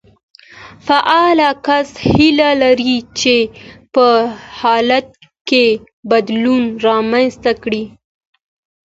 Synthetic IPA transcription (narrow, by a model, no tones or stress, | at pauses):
faʔɑlakashilalaɾit͡ʃepəhɑlat̪̚ | ke | bad̪lunɾɑmanst̪akɽi